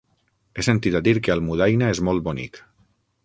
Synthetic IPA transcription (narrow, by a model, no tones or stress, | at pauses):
esənt̪iðad̪iɾkeəlmuð̞ajnaezmolˠt̪bonḭk